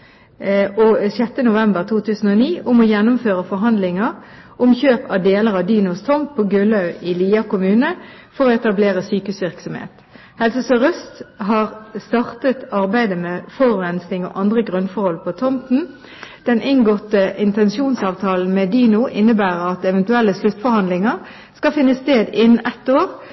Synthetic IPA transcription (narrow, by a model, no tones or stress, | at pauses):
ɔsɛt̪ːənʊʋɛmbəʁt̪ʰuːt̪ʰʉːsən̩ɔniːʊmɔjɛnːʊmføːʁəfɔʁɦɑnd̪lɪŋəʁʔʊmçøːpɑʋd̪eːləʁɑʋd̪iːnʊst̪ʰɔmpʰːoɡʉlɑʉɪliːɑkʊmʉːnə | fɔʁoːɛt̪ɑbleːʁəsyːkʉsʋɪʁksɔmhḛːt̪ | hɛlsəsɔʁœst̪ɦɑːʁst̪ɑʁt̪ət̪ɑʁbæɪd̪əmɛfɔʁʉɾɛnsnɪŋo̰ʔɑnd̪ʁəɡʁʉnfɔʁhɔlpʰɔt̪ʰɔmpn̩ | d̪̥ɛnʔɪŋɡɔt̪ːəʔɪnt̪ɛnsuːnsɑːʋt̪ʰɑːln̩mɛd̪iːnʊʔɪnːəbæːʁəɾɑt̪ɛʋɛnt̪ʉɛlːəslʉt̪fɔɾhɑnd̪lɪŋəʁ | skɑfɪnːəst̪eːd̪ɪnʔɛt̪ːoːʁ